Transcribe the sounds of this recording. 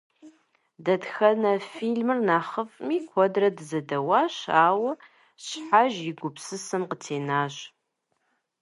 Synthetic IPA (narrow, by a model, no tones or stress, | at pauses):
dɐtxɐnɐfiɮmɨrnaːχəfʼmiːkʷʰɔdrɐdɨzɐdɐwaːɕaːwɐ | ɕħaʒjɪɡʷʊpsɨsɨmqətʰeːnaːɕ